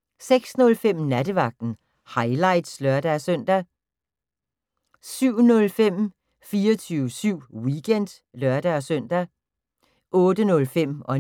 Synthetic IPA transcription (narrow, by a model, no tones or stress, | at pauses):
seɡ̥snɔ̽lfem̰næd̥əʋɑ̈ɡ̥̚d̥n̩ | hɑ̈ɪlɑ̈ɪ̰d̥slœɐd̥æsœn̰d̥æ | syʊ̰nɔ̽lfem̰ | fiːɐt͡sʰyːʋəsyʊ̰wiɡ̥en̰d̥ | lɶɐd̥æsœn̰d̥æ | ʔɔ̽ːd̥ənɔ̽lfem̰ɒ̽